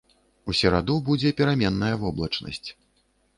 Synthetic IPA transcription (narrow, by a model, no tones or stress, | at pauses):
usʲɛɾad̪ubud͡zʲɛpʲiɾamʲɛnːɐjɐvɔblˠɐt͡ʂnɐ̰sʲt͡sʲ